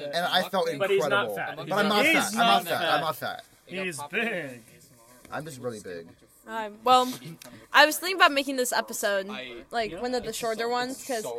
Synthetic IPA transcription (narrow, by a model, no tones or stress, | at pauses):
ɨ̃naɪfɛlˠtɨ̃nkʰɹɹɛɾəbl̩ˠb̥ʌɾãɪ̃mnətaɪmnətfætã̰ɪmnətfæ̰t̚ | hizbɪɡ̥ | ʔã̰ɪ̃md͡ʒʌst̚ɹɪlˠibɪ̰ɡ̥ | aɪ̃mwɛlˠʔaɪwʌz̥θɪ̃ŋkɪ̃ŋəbaʊt̚meɪkɪ̃ŋðɪsɛ̰pɨsoʊd̚laɪkwʌ̃nʌvðɨʃɔɹɾə˞wʌ̃nz̥kʰʌz̥